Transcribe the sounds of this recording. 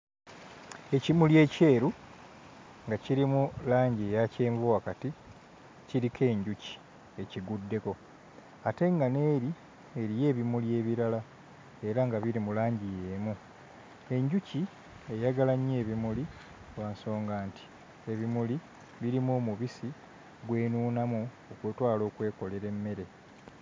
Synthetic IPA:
e̞cimulje̞ːce̞ːɾu | ŋɡaciɾimulaːɲɟijace̞ːɱvowakati | ciɾikʰe̞ːɲɟuci̥ | e̞ciɡudːe̞ko̞ | ate̞ŋɡane̞ːɾi | eɾije̞ːβimulje̞ːβiɾala | e̞ɾaŋɡaβiɾimulaːɲɟijeːmu | e̞ɲɟuci | e̞jaɡalaɲːe̞ːβimuli | waːnso̞ːŋɡaːntʰi̥ | e̞βimuli | βiɾimoːmuβisi | ɡwe̞ːnuːnamu | okwetwaːlo̞ːkwe̞ːko̞le̞ɾe̞mːe̞ɾe̞

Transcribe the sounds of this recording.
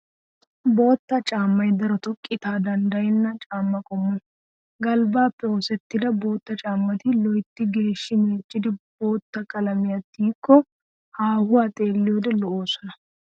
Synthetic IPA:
bo̞ːt̪ːɐt͡ʃʼaːmːɐjd̪ɐɾɔt̪ʊkʼːɪt̪aːd̪ɐnd̪ɐjɪnːɐt͡ʃʼaːmːɐkʼɔmːʊ | ɡɐlbaːpːɛoːsɛt̪ːɪd̪ɐbo̞ːt̪ːɐt͡ʃʼaːmːɐt̪ɪlɔjɪt̪ːɪɡe̞ːʃːɪmeːt͡ʃʼːɪd̪ɪb̥o̞ːt̪ːɐkʼɐlɐmɪjɐt̪ːiːkːɔ | haːhʊɐt̪ʼe̞ːlːɪjɔːd̪ɛlɔoːsɔnɐ

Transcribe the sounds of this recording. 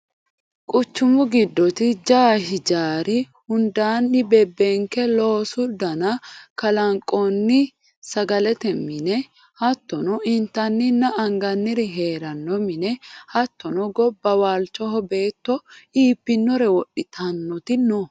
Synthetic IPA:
kʼʊt͡ʃːʊmʊɡɪd̪ːɔt̪ɪd͡ʒaːɦɪd͡ʒaːɾɪ | hʊnd̪aːnːɪbɛbːɛŋkɛlo̞ːsʊd̪ɐnɐkɐlɐŋkʼːɔnːɪ | sɐɡɐlɛt̪ɛmɪnɛ | hɐt̪ːɔnɔɪnt̪ɐnːɪnːɐʔɐŋɡɐnːɪɾɪɦe̞ːɾɐnːɔmɪnɛhɐt̪ːɔnɔɡɔbːɐwaːlt͡ʃːɔɦɔbe̞ːt̪ːɔiːpːɪnːɔɾɛwɔɗɪt̪ʰɐnːɔt̪ɪnɔ

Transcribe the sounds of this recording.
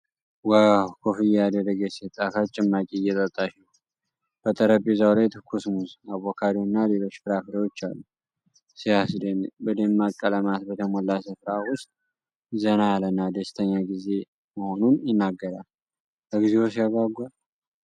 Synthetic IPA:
wawkʰofijɛad̪əɾəɡəsit̪ʼːafat͡ʃʼɪmːakʼiɨjɛt̪ʼət̪ʼːaʃɛ | b̥ət̪ʼəɾəbʼizawlajt̪ʰɨkʰːusmusaβokʰad̪iwʊnːale̞lo̞t͡ʃːfɨɾafɾəwot͡ʃːalːu | sijasd̪enbəd̪emːakʼːələmat̪bət̪ʰəmolːasɨfɾawʊst̪ʼ | zənajalənːad̪əst̪ʰəɲːaɡize̞ | məho̞nunjɪnːaɡːəɾal | bəɡizewosijaɡaɡʷal

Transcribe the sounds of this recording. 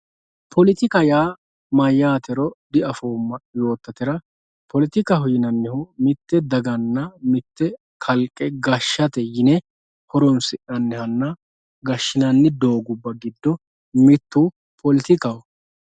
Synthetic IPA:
pʰɔlɪt̪ɪkɐjaː | mɐjːaːt̪ɛɾɔd̪ɪɐfoːmːɐjo̞ːt̪ːɐt̪ɪɾɐ | pʰɔlɪt̪ɪkɐɦʊjɪnɐnːɪhʊmɪt̪ːɛd̪ɐɡɐnːɐmɪt̪ːɛ | kʰɐlkʼːɛɡɐʃːɐt̪ɛjɪnɛ | hɔɾɔnsɪʔɐnːɛhɐnːɐ | ɡɐʃːɪnɐnːɪd̪o̞ːɡʊbːɐɡɪd̪ːɔ | mɪt̪ːu | pʰɔlɪt̪ɪkɐw

